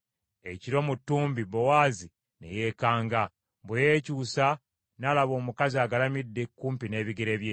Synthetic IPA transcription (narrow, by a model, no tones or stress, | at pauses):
eciɾo̞mutːuːmbibowaːzi | nḛje̞ːkaːŋɡa | bwejeːcuːsa | nalaβo̞ːmukaziaɡalamidːe̞kːuːmpine̞ːβiɡeɾe̞ːβjeː